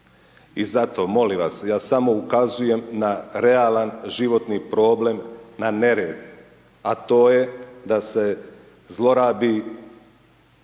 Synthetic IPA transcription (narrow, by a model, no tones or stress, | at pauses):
izat̪o̞mo̞liʋasjaːsamo̞ukazuje̞mnaɾeaːlanʒiʋo̞t̪nipɾo̞ːble̞mnane̞ɾeːd̪ | at̪o̞ːjed̪ase̞ | zlˠo̞ɾaːbi